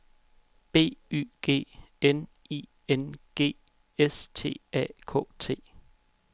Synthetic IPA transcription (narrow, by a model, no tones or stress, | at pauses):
b̥e̝̰ːy̰ːɡ̥e̝̰ːen | iː | enɡ̥e̝̰ː | est͡sʰe̝̰ːɛ̰ːkʰɔ̰̽ːt͡sʰe̝̰ː